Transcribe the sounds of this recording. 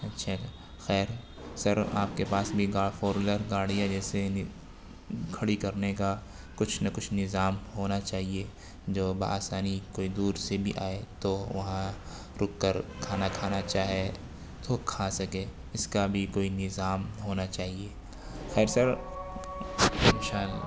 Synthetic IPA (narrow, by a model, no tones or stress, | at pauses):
ɐtːʃʰa | xɛːɾ | sɐɾa̰ːp̚kepaːsbʱiɡaːɽfoːɾmləɾɡaːɽijad͡ʒɛːseɪ | kʰɐɽikɐɾneka | kʊt͡ʃʰnɐkʊt͡ʃʰnɪzaːmɦoːnat͡ʃaːɦie | d͡ʒoːba̰aːsaːnikoːid̪uːɾsebʱḭʔa̰ːet̪oʋɐɦã | ɾʊkːəɾkʰaːnakʰaːnat͡ʃaːɦe | t̪okʰaːsɐkeː | ɪskabʱikoːinɪzaːmɦoːnat͡ʃaːɦie | xɛːɾsɐɾ | mʃaːl